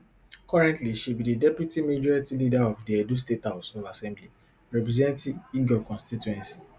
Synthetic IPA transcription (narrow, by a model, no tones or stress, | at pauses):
kɔɹɛ̃ntliʃibididɛpjutimed͡ʒɔɹitilidaɔfdiɛdustethaʊsɔ̃asɛ̃mbli | ɹɛpɹizɛ̃ntĩiɡɔkɔ̃nstituɛ̃nsi̥